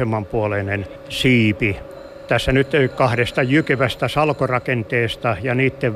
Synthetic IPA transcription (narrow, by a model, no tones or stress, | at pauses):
emːɑmpuolenen | siːpi | t̪æsːænyt̪øikkɑhɾest̪ɑjykeʋæst̪æsɑlkorɑkent̪eːst̪ɑjɑniːt̪ːeʋ